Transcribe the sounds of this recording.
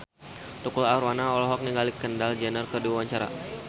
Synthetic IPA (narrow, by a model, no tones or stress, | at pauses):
t̪ukulaɾwanaɔlɔɦɔk̚niŋɡalikəndald͡ʒɛnərkədiwawaɲt͡ʃaɾa̰